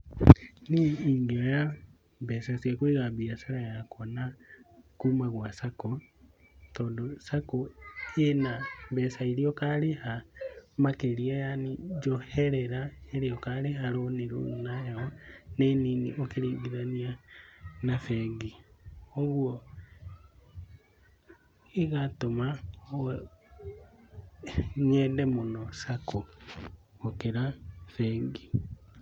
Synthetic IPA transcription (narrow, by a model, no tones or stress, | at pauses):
niiŋɡioja | besasjakweːɣambiasaɾajakʰonakuːmaɣwasako | toːndosakoenaβesaiɾiokalihamakeɾiajanid͡ʒoheɾeɾaeɾejokaliɦaloniɾṵnajaɣoneniːnḭʔokeɾiːɣiðania | nafɛɡioɣwɔ | eɣatoma | ɲɛdɛmonɔsakoː | keɾafɛɡi